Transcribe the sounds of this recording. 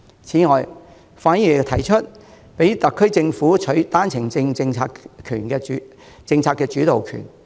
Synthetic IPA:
t͡sʰiː˨˥ŋɔː˨˧j | faː˨˥njiː˨˩t̪ʰɐ˨˩jt͡ʃʰɵ˥t̚ | pe˨˥jt̪ɐ˨kʰːɵ˥ɥt͡sɪ˧ŋfuː˨˥t͡ʃʰɵ˨˥ɥt̪aː˥nt͡sʰɪ˨˩ŋt͡sɪ˧ŋt͡sɪ˧ŋt͡sʰaː˧kʰy̰ː˨˩nkɛː˧˨˥ | t͡sɪ˧ŋt͡sʰaː˧tkːɛː˧t͡ʃyː˨˥t̪o˨wkʰy̰˨˩n

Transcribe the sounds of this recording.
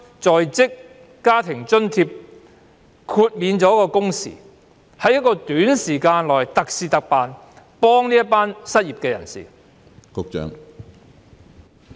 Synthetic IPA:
t͡sɔː˨jt͡sɪ˥kː | aː˥t̪ʰɪ˨˩ŋt͡ʃɵ˥nt̪ʰiː˧p̚ | kʰuː˧t̚miː˨˧nt͡sɔː˨˥kɔː˧kʊ˥ŋsḭː˨˩ | hɐ˨˥jɐ˥t̚kːɔː˧t̪yː˨˥nsiː˨˩kaː˧nlɔː˨˩jt̪ɐ˨k̚siː˨t̪ɐ˨k̚paː˨n | pɔː˥ŋniː˥jɐ˥t̚paː˥nsɐ˥t̚jiː˨p̚kɛː˧jɐ̰˨˩nsḭː˨˩ | kʊ˧k̚t͡ʃœ̰ː˨˥ŋ

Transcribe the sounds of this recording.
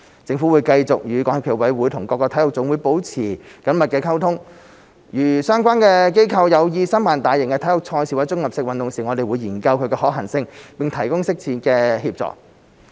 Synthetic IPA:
t͡sɪ˧ŋfuː˨˥wuː˨˧jkɐ˧jt͡sʊ˨k̚jyː˨˧kɔː˨˧˥ŋɐ˨˧pʰiː˨˩wɐ˨˥jwuː˨˥jt̪ʰʊ˨˩ŋkɔː˧kːɔː˧t̪ʰhʊ˨k̚t͡sʊ˨˥ŋwuː˨˧jpo˨˥wt͡sʰiː˨˩kɐ˨˥nmɐ˨t̚kɛː˧kʰɐ˥wt̪ʰʊ˥ŋ | jyː˨˩sœː˥ŋkʷaː˥nkɛː˧k̬e˥jkʰɐ˧wjɐ˨˧wjiː˧sɐ˥nmaː˨nt̪aː˨jɪ˨˩ŋkɛ˧t̪ʰɐ˨˥jhʊ˨k̚t͡sʰɔː˧jsi˨wɐ˨˥jt͡sʊ˥ŋjɐ˨p̚sɪ˧k̚wɐ˨nt̪ʊ˨ŋsiː˨˩ŋɔ˨˧d̪e˨jwuː˨˧jiː˨˩nkɐ˧wkʰɵ˨˧ɥkɛː˧ɦɔː˨˥k̚ɦɐ˨˩ŋsɪ˧ŋpɪ˨ŋt̪ʰɐ˨˩jkʊ˥ŋsɪ˥k̚t͡sʰiː˨˥nkɛː˧hiː˧p̚t͡sɔ̰ː˨k̚

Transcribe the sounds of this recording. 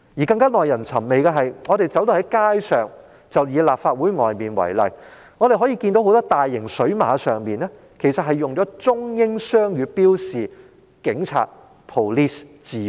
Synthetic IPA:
jiː˨˩kɐ˧ŋkaː˥nɔː˨jɐ˨˩nt͡sʰɐ˨˩mme˨jka˧ɦɐ˨jŋɔː˨˧d̪e˨jt͡sɐ˨˥wt̪o˧hɐ˨˥jkaː˥jsœː˨ŋ | t͡sɐ˨wjiː˨˧laː˨p̚faː˧t̚wuː˨˥jŋɔ̰ː˨jmiː˨nwɐ̰˨˩jlɐ̰˨j | ŋɔ˨˧d̪e˨jɦɔ˨˥jiː˧ki˧nt̪o˧wɦwt̪ɔː˥t̪aː˨jːɪ˨˩ŋsɵ˨˥ɥma̰ː˨˧˥sœː˨ŋmiː˨nɛː˥ | kʰe˨˩jsɐ˨t̚ɦɐ˨˩jːʊ˨ŋt͡ʃɔː˨˥t͡sʊ˥ŋjɪ˥ŋsœː˥ŋjyː˧piː˥wsiː˨ | kɪ˨˥ŋt͡sʰa̰ː˧t̚ | pʰo˨˩liː˥st͡siː˨

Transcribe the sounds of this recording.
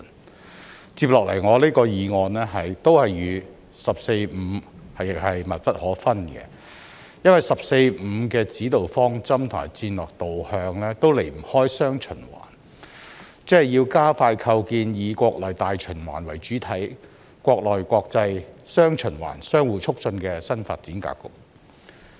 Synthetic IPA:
n | t͡siː˧p̚lɔː˨k̚lɐ˨˩jŋɔː˨˧liː˥kɔː˧jiː˨˧ŋɔː˧nlɛː˥ɦɐ˨jt̪o˥whɐ˨jɥyː˨˧ | sɐ˨p̚se˧jm̩˨˧hɐ˨jɪ˨k̚hɐ˨jmɐ˨t̚pɐ˥t̚hɔː˨˥fɐ˥nkɛ̰˧ | jɐ˥nwɐ˨˩jsɐ˨p̚se˧jm̩˨˧kɛː˧t͡siː˨˥t̪o˨wfɔː˥ŋt͡sɐ˥mt̪ʰa̰ː˨˩jt͡siː˧nlɔː˨k̚t̪o˨whœː˧ŋlɛː˥t̪o˥wle˨˩jm̩˨˩hɔː˥jsœː˥ŋt͡ʃʰɵ˨˩nwa̰ː˨˩n | t͡sɛ˥hɐ˨jiː˧wkaː˥faː˧jkʰɐ˧wkiː˧njiː˨˧kʷɔː˧k̚lɔː˨jt̪aː˨jt͡ʃʰɵ˨˩nwaː˨˩nwɐ˨˩jt͡ʃyː˨˥t̪ʰɐ˨˥j | kʷɔː˧k̚lɔː˨jkʷɔː˧k̚t͡sɐ˧jsœː˥ŋt͡ʃʰɵ˨˩nwa̰ː˨˩nsœː˥ŋwuː˨˩t͡sʰʊ˥k̚t͡sɵ˧nkɛː˧sɐ˥nfaː˧t̚t͡siː˨˥nka̰ː˧˥kːʊ˨k̚

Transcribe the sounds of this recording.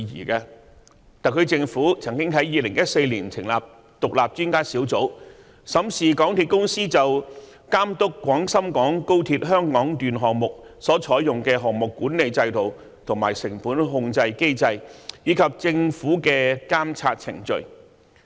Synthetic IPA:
jḭː˨˩kɐː˧ | t̪aː˨kʰɵ˨˧t͡sɪ˧ŋfuː˨˥t͡sʰɐ˨˩ŋkɪ˥ŋɦɐ˨˥jiː˧lɪ˨˩ŋjɐ˥t̚se˧jliː˨˩nt͡sʰɪ˨˩ŋlaː˨˩p̚ | t̪ʊ˨k̚laː˨p̚t͡ʃyː˥nkaː˥si˨˥wt͡so˨˥w | sɐ˨˥msiː˨kɔː˨˥ŋt̪ʰiː˧t̚kʊ˥ŋsiː˥t͡sɐ˨w | kaː˥mt̪ʊ˥kːʷɔː˨˥ŋsɐ˥mkɔː˨˥ŋko˥wt̪ʰiː˧t̚ɦœː˥ŋkɔː˨˥ŋt̪yː˨nɦɔː˨kŋ̚mʊ˨k̚ | sɔː˨˥t͡ʃʰɔː˨˥jʊ˨ŋkɛː˧ɦɔː˨ŋ̚mʊ˨kːuː˨˥nne˨˧jt͡sɐ˧jt̪o˨˩w | t̪ʰʊ˨˩ŋma̰ː˨˩jsɪ˨˩ŋfuː˨˥nɦʊ˧ŋt͡sɐ˧jke˥jt͡sɐ˧jjiː˨˧kʰɐ˨p̚t͡sɪ˧ŋfuː˨˥kɛː˧kaː˥mt͡sʰa̰ː˧t̚t͡sʰɪ̰˨˩ŋt͡ʃɵ̰˨˧ɥ

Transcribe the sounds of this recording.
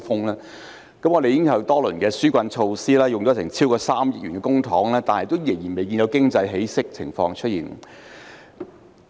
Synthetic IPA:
fʊ˥ŋlɛː˥ | kɐ˨˥mŋɔː˨˧e˨jɪ˥ŋkʰɐ˨˧wt̪ɔː˥lɵ˨˩nkɛː˧syː˥kʷɐ˧nt͡ʃʰo˧wsiː˥lɛː˥jʊ˨˩ŋɔː˨˥t͡sʰɪ˨˩ŋt͡sʰiː˥wkɔː˧saː˥mjɪ˥k̚yː˨˩nkɛː˧kʊ˥ŋt̪ʰɔː˨˥ŋlɛː˥t̪aː˨nhɛ˨t̪o˥wjɪ˨˩ŋjiː˨˩nme˨jk̬iː˧njɐ˨˧wkɪ˥ŋt͡sɐ˧jɦe˨˥jsɪ˥k̚t͡sʰɪ̰˨˩ŋfɔ̰ː˧ŋt͡ʃʰɵ˥jḭː˨˩n

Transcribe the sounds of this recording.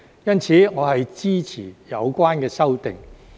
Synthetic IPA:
jɐ˥nt͡sʰiː˨˧ŋɔː˨˧hɐ˨jt͡siː˥t͡sʰḭː˨˩jɐ˨˧wkʷaː˥nkɛː˧sɐ˥wt̪ɪ̰˨ŋ

